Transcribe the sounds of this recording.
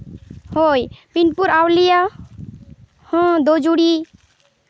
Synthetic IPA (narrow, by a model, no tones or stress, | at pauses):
hojpinpuɾawlija | hɔ̃d̪od͡ʒuɽi